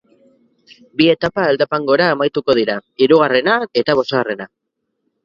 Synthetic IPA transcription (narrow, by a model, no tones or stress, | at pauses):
bie̞t̪apaeld̪apaŋɡo̞ɾaemajt̪uko̞ð̞iɾaiɾuɣ̞are̞nae̞t̪aβ̞o̞soɣare̞na